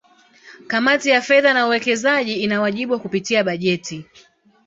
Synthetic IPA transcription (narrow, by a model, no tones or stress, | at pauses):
kamatijafɛðanauwɛkɛzaʄiinawaʄiɓuwakupitiaɓaʄɛti